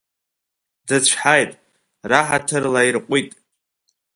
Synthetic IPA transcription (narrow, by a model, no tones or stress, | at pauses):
dɨt͡ɕʷʰħajtʼ | raħatʰɨrlairqʷʼitʼ